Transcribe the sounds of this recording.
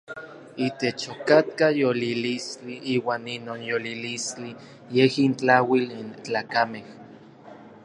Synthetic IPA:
it̪et͡ʃokat̪̚kajolilist͡ɬiʔiːwaːninoːnjolilist͡ɬi | jehint͡ɬawilint͡ɬaːkameh

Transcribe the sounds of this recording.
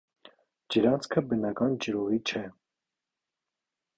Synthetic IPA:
d͡ʒəɾɑnt͡sʰkʰəbənɑkɑnd͡ʒəɾɔʁit͡ʃʰɛ

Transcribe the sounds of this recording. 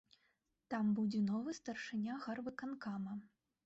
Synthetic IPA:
t̪ambud͡zʲɛnɔvɨst̪ɐrʂɨnʲaɣarvɨkankamɐ

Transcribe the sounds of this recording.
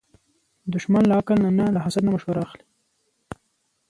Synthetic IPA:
d̪ʊʃmanlaakəlnanalaɦasad̪namʊʃwaɾaːxli̥

